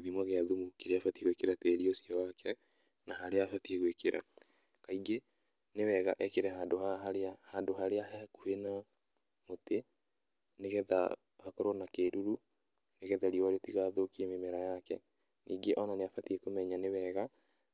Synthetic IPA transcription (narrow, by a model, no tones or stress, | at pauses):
ðimwɔɣeaðumukeɾeafatieɣwekeɾateɾiosiawakʰɛ | naɦaɾeafatieɣwekeɾʔa̰ | kaiɡe | newɛɣaʔɛkeɾɛɦaːndohaɦaɾeahandoɦaɾeahɛkuhena | mote | neɣɛða̰ | hakɔɾɔnakeɾuɾu | neɣɛðaɾiɔwaɾetiɣaðokiememɛɾajakɛ̰ | niːɡeʔɔnaneafatiekomɛɲanewɛɣa